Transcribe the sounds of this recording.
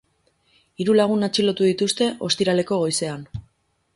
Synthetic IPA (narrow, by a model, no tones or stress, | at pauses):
iɾulaɣ̞unat͡ʃilo̞t̪uðit̪ust̪e̞ʔo̞st̪iɾale̞ko̞ɣ̞o̞jse̞an